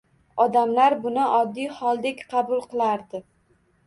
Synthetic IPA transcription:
ɒd̪amlaɾbʊnɪʔɒd̪ːijhɒlˠd̪ekʲqʰɑbʊlˠqʰɨlˠaɾd̪ɪ

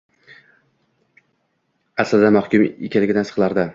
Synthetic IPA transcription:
asld̪amahkʲʊmekʰʲalːɪɡʲɪd̪ansɨ̥qlˠaɾd̪ɪ

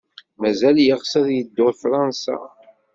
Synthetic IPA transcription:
mæzæljəʁsæðjəd̪ːʊfɾˤɑnsa̰

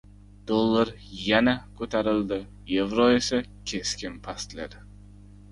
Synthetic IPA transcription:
d̪̥olˠːaɾ | janakʰɵt̪ʰaɾɪld̪ɪ | jevɾoesa | kʲʰe̞skʲɪnpʰast̪lad̪

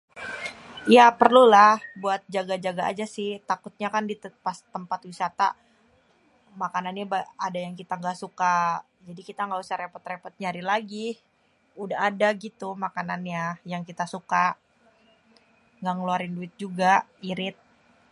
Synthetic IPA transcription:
japərlulahbuat̪̚d͡ʒaɡad͡ʒaɡa̰ːd͡ʒasɪht̪akʊt̪̚ɲakandipast̪əmpat̪wisat̪a̰ | makananɲabaadajaŋkit̪aŋɡasuka | d͡ʒadikit̪aŋɡausaɾepɔt̪ɾepɔt̪̚ɲaɾilaɡi | udaɦadaɡit̪umakananjajaŋkit̪asuka | ŋɡaŋəluaɾɪnduɪt̪̚d͡ʒuɡaiɾɪt̪̚

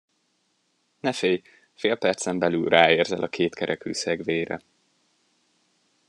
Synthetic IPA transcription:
nɛfeːj | feːlpɛrt̪sɛmbɛlylraːeːrzɛ̰lʔɒkʰeːt̪kʰɛɾʔɛky̰ːsɛɡveːɾɛ̰

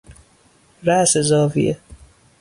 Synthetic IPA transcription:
ɾæsezɒːvḭʔe

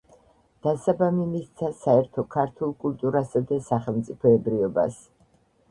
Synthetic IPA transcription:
d̪̥asabamimist̪sʰasaɛɾt̪ʰɔkʰaɾt̪ʰulˠkʼult̪ʼuɾasad̪asaχɛlˠmt̪sʼipʰɔɛbɾiɔba̰s

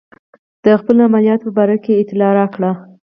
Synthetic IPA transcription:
d̪̥əxpəlamalijɑt̪pəbɑɾakeːt̪ɪlɑɾɑkɽa

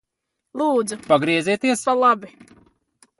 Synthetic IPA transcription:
lˠuːd̪zupaɡɾiɛziːt̪iɛspalˠabi

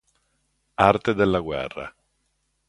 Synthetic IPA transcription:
art̪ed̪elːaɡwɛ̰rːa̰

